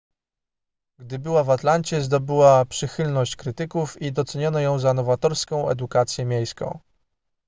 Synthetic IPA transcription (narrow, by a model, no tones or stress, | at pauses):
ɡd̪ɘbɘwavat̪lant͡ɕɛzd̪ɔbɘwapʂɘxɘlnɔɕt͡ɕkɾɘt̪ɘkufid̪ɔt̪sɛɲɔnɔjɔ̃w̃zanɔvat̪ɔɾskɔ̃w̃ɛ̰d̪ukat̪sʲjɛmʲjejskɔ̰̃w̃